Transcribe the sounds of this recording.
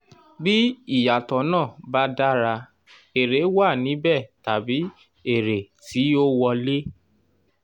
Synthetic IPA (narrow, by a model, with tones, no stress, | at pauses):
bi˦i˦˨ja˨tɔ˨˦nãː˦˨ba˦da˦ɾa˧ | e˨ɾe˨˦wa˦˨nĩ˨˦bɛ˦˨ta˨bi˨˦ | e˦˨ɾe˨ti˨˦o˦wɔ˧le˦